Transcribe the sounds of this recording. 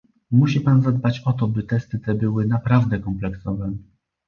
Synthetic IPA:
muɕipanzad̪bat͡ɕɔt̪̬ɔbɘt̪ɛst̪ɘt̪ɛbɘwɘnapɾavd̪ɛkɔmplɛksɔvɛ

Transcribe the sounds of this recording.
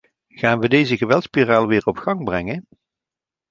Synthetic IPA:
χaːnʋədejzəɣəʋɛlˠtspiraːlˠʋɪːɹɔpχɑŋbrɛŋən

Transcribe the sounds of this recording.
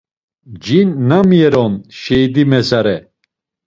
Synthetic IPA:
d͡ʒinːamjɛɾɔnʃɛjd̪imɛsaɾɛ

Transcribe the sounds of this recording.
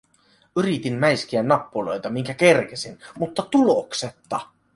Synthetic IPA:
yɾit̪inmæjsk̟iænːɑpːulo̞̰jt̪ɑmiŋkækerk̟esinmut̪ːɑt̪ulokset̪ːɑ

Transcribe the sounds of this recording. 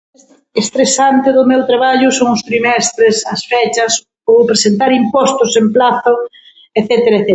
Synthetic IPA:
est̪ɾesant̪eðʊmewt̪ɾaβaʎʊsoŋʊst̪ɾimɛst̪ɾesɐsfet͡ʃɐs | opɾesent̪aɾimpɔst̪ʊsemplaθʊ | eθɛt̪eɾaeθe

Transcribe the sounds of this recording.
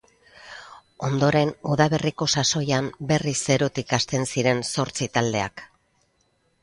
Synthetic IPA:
o̞nd̪o̞ɾe̞nuðaβe̞riko̞saso̞jambe̞rise̞ɾot̪ikast̪e̞nsiɾe̞nso̞ɾt͡sit̪ald̪e̞a̰k

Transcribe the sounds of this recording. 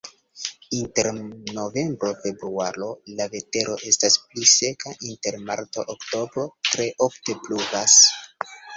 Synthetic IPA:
inte̞ɾno̞ve̞mbɾo̞fe̞bɾuaɾo̞lave̞te̞ɾo̞ʔe̞stasplise̞kaʔinte̞ɾmaɾt̪o̰ʔokto̞bɾo̞tɾe̞ʔofte̞pluɡas

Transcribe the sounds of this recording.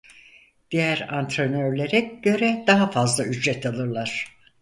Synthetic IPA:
d̪̥ijæɾant̪ɾenøɾlʲeɾɛɟ̥ø̞ɾɛd̪aɦafazlˠayd͡ʒɾɛt̪ʰalˠɯɾlˠaɾ̥

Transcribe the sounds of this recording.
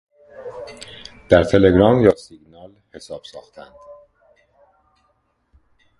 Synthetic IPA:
d̪̥æɾt̪ʰe̞le̞ɡɾɒːmjɒːsiɡnɒːl | he̞sɒːb̥sɒːxt̪ʰænd̪̥

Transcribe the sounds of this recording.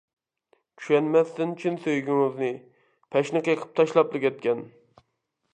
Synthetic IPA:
t͡ʃʲʰyʃɛnmɛst̪ɪnt͡ʃʰynsøjɡʲyŋɪznɨ | pʰɛʃnɨqjqʰə̥p̚t̪ʰɑʃlˠɑplˠɨkʲɛt̪̚kʲɛn

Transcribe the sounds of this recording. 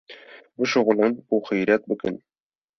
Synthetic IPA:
buʃuʁɤ̆lˠɤnbuχɤ̆jɾæt̪̚bɵ̆kɘ̰n

